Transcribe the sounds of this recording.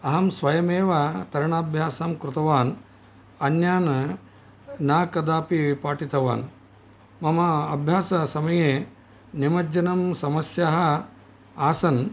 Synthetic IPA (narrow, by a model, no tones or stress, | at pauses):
ɐɦɐmsʋɐjɐmeːʋɐt̪ɐɾɐɳaːbʱjaːsaːmkɾut̪ɐʋaːn | ɐnjaːn | naːkɐd̪aːpiʋpaːʈit̪ɐʋa̰ːn | mɐmɐɐbʱjaːsɐsɐmɐjeː | nimɐd͡ʒɐnɐmsɐmɐsjɐɦɐ | aːsɐn